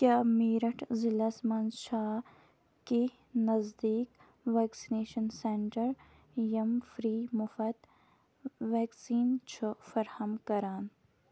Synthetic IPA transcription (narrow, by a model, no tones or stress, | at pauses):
kjaːmiːɾɐʈʰzɪlɐsmɐnʃaː | ki | nɐzd̪iːk | ʋɛːksineːʃɐnseɳʈɐɾ | jɐmfɾiːmʊfɐd̪ | ʋeːksiːnt͡ʃʰufɐɾhɐmkɐɾaːn